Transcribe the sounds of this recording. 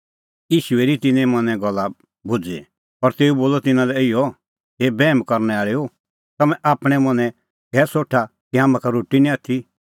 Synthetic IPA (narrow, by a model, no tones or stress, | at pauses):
iːʃueɾit̪ɪnɛ̃mɐ̃nɛ̃ɡɔlːa | bʊd͡zḛ | ɔɾt̪eːuboːlɔt̪ɪnãlɛɪjɔ | ɦeːbɛːmkɔɾnɛaːɭeo | t̪ɐmɛ̃ʔaːpɽ̃ɛmɐ̃nɛ̃ | kɛːsoːʈʰa | kiɦaːmãkaɾoːʈinĩaːt̪ʰi